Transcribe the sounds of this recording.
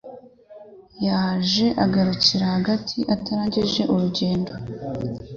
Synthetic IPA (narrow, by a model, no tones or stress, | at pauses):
jaːʒe̞ʔaɡaɾuciɾahaɡatʰiʔataɾaːɲɟiʒe̞ʔuɾuɟe̞ːndo̞